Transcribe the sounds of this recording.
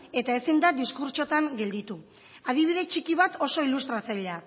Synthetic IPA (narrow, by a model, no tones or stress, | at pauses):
e̞t̪ae̞sind̪ad̪iskuɾt͡ʃo̞t̪aŋɡe̞ld̪it̪u | aðiβ̞iðe̞t͡ʃikiβ̞at̪o̞so̞ilust̪ɾat͡sajʎa